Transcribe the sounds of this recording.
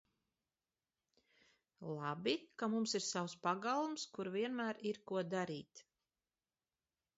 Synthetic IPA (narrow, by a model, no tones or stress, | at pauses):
lˠabʲikamumsiɾsawspaɡalˠumskuɾviɛnmæːɾiɾkuɔd̪aɾiːt̪